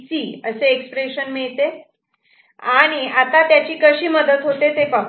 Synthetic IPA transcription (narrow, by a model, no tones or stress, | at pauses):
siːəseːkspɾeɕənmiɭt̪e | aɽ̃iat̪at̪jat͡ɕiːkəɕiːməd̪ət̪ɦot̪et̪epə